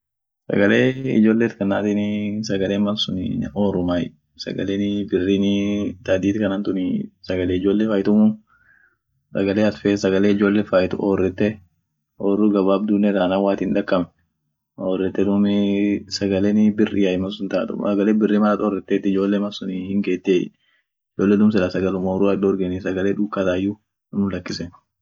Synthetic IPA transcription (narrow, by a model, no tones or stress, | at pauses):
sɐ̰ɡɐleːɪ̰d͡ʒo̞ːlːeːt̪kɐnːa̰ːt̪inɪsɐɡɐleːmɐsʊnɪoːɾʊmajɪ̰ | sɐ̰ɡɐleːnɪbɪrːiːnɪt̪ad̪iːt̪ɪkɐnant̪ʊnɪsɐɡɐleːɪd͡ʒoːlːefaːjɪt̪ʊmʊ | sɐ̰ɡɐleːɐt̪fesɐɡɐleːɪd͡ʒoːlːeːfajt̪ʊʔoːrːɛt̪ːɛ | oːrːuɡɐbaːb̚d̪unːɛɾaːnaːwaːt̪ɪnᶑɐkːɐmnɛ | oːrːɛt̪ːɛd̪ʊmɪsɐɡɐleːnɪbɪrʔɪ̰jaːjɪmɐsʊnt̪aːt̪ʊ̰msɐɡɐleːbɪrːiːnmɐɾat̪ɔrːɛt̪ːɛt̪ːɪɪd͡ʒo̞ːlːemɐsʊnihɪŋɡeːt̪ːeː | ɪd͡ʒoːlːed̪ʊmsɛlasɐɡɐlʊmoruɐᶑɔɾɡɛnɪsɐɡɐleːᶑʊkːat̪aːɪjːʊ | nʊlɐkːɪsɛn